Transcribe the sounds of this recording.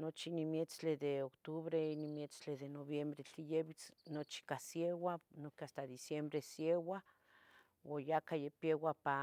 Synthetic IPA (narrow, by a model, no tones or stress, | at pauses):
not͡ʃinimjet͡sled̪eokt̪uβɾeinimjet͡sleðenoβjembɾet͡ɬijeβit͡snot͡ʃi̥kasjewanokeast̪ad̪isjembɾesjewa | wojakajepjewapa